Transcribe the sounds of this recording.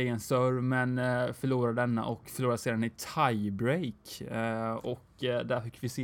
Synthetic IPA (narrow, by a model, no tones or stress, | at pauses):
eɡənsœɾmɛnfœɭuːɾad̪ɛnːa̰ʔɔkfœɭuːɾaseːd̪anɪt̪ʰajbɾejk | ɔkd̪æɾfɪkːvɪseː